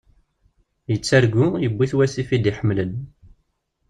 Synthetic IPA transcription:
jət͡sːæɾɡujəbːiθwæsifid̪iħəmlən

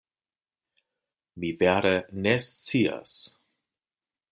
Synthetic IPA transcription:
mivɛɐɾənɛst͡siːɐ̰s

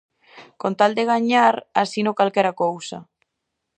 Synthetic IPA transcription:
kont̪ald̪eɣ̞aɲaɾasinokalkɛɾakowsa̰

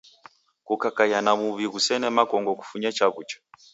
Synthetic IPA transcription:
kukakajanamuβiɣusɛnɛmakɔŋɡɔku̥fuɲat͡ʃaβut͡ʃḁ

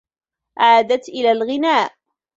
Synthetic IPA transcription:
ʕaːd̪at̪ʔɪlaːlɣɪnaːʔ

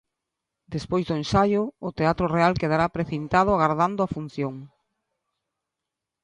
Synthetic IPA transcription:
d̪espojzðʊensajʊːt̪eat̪ɾʊrealkeð̞aɾapɾeθint̪að̞ʊaɣaɾð̞and̪ʊafun̟θjoŋ

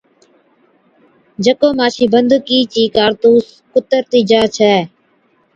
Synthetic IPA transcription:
d͡ʒəkoːmaːʃiːbənd̪okiːt͡ʃiːkaːɾt̪uːs | kʊt̪əɾt̪iːd͡ʒaːt͡ʃʰɛː

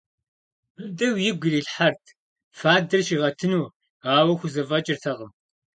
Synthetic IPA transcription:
bɨdɐwjɪɡʷʊriːɬħartʰ | faːdɨrʃiʁɐtʰɨnuː | aːwɐxʷʊzɐvɐt͡ʃʼɪrtʰɐʁəm

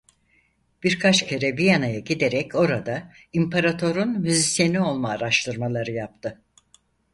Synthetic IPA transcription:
b̥iɾkʰat͡ʃcʰe̞ɾɛbijanajaɟid̪eɾɛco̞ɾad̪a | impʰaɾat̪ʰo̞ɾunmyzisjenio̞lˠmaːɾaʃt̪ʰɯɾmalˠaɾɯjap̚t̪ʰɯ

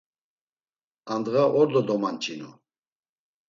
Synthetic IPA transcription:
and̪ɣaʔɔɾd̪ɔd̪ɔmant͡ʃʰʼinṵ

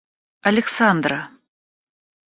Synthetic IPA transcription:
ɐlʲɪksand̪ra

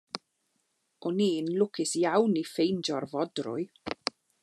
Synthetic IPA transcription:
ɔniːnlʊkʰɪsjawnifejnd͡ʒɔrvɔdrʊ̰j

